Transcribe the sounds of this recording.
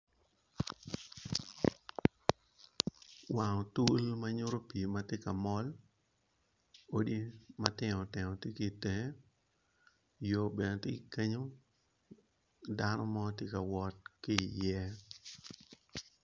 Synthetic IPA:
wa˨ŋɔ˨tu˦lma˦ɲʊ˦ɾo˦pi˨ma˦tɪ˦ka˨mɔ˦l | o˦di˦ma˦tɪ˦ŋɔ˨tɪ˨ŋɔ˨tje˦ki˨te˨ŋ˦ | jo˨be˨n˨tɪ˦kɪ˨ke˦ɲo˦ | da˦nɔ˦mɔ˦tje˦ka˨wɔ˦t̚kɪ˦˨jɛ˦

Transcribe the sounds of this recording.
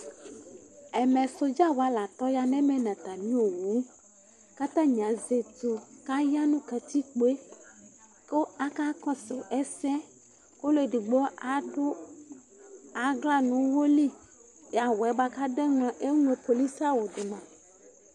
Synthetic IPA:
ɛ˨mɛ̃˨so˨d͡ʒa˦wa˦la˨t̪ɔ˦ja˨nɛ̃˦mɛ˦nã˨t̪a˨mĩ˦o˨wu˨˦ | ka˦t̪ã˦ɲ˨ã˨˦ze˨tu˨ka˦ja˦nũ˦ka˨t̪i˦k͡po˦e˦ | ko˦a˦ka˦kɔ˦se˨ʔɛ˦sɛ˦ | ko˦lo˦e˨ɖi˨ɡ͡bo˦ʊ˦ | a˨ɡla˦nũ˨˦wo˦li˦ | ja˨wɛ˨ba˦ka˦ɖe˦ŋɔ̃˨ʔe˦ŋũ˦e˦po˨li˦sa˦wo˨dʊ˨mã˨

